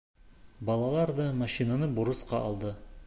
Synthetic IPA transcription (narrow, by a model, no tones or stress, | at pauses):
bɑlˠɑlˠɑɾd̪ɤmaɕinanɤbuɾɤ̆sqɑʔːlˠd̪ɤ